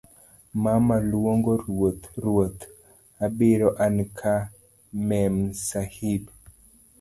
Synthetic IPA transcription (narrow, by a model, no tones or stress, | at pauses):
mamalwoŋɡoɾwot̪ɾwot̪ | abɪɾɔʔankʰa | mɛmsahib